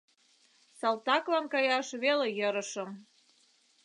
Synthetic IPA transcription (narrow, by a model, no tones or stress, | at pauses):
sɑlt̪ɑklɑnkɑjɑʃβelejəɾə̆ʃə̆m